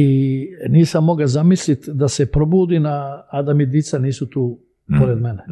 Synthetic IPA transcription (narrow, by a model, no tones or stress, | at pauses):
iniːsamːo̞ɡazamislit̪d̪asepɾobuːd̪inaːd̪amid̪it̪saniːsut̪uː | poɾed̪mene